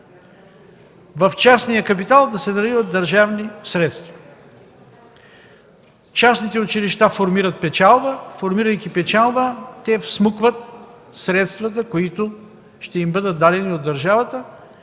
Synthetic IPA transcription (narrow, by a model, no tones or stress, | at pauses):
vɐft͡ʃasnijəkɐp̬it̪alˠd̪ɐsɛnɐlivəd̪̚ɐɾʒavnisɾɛt̪st̪vɐ̥ | t͡ʃasnit̪ɛʊt͡ʃiliʃt̪afoɾmiɾət̪̚pɛt͡ʃalˠbəfoɾmiɾəjkʲipɛt͡ʃalˠbət̪ɛfsmɤkvət̪̚ | sɾɛt̪st̪vɐt̪əkoit̪o | ʃt̪ɛimbɤd̪ət̪̚d̪ad̪ɛniod̪ːɐɾʒavət̪ə